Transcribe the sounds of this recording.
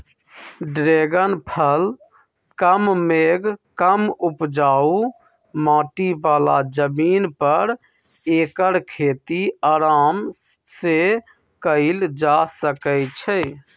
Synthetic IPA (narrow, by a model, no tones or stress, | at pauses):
ɖɾeɡənpʰəl | kəmmeɡkəmupd͡ʒau | mãʈibala̰d͡ʒəminpəɾ | ekəɾkʰet̪iaɾam | se | kəɪld͡ʒasəkət͡ʃʰɛ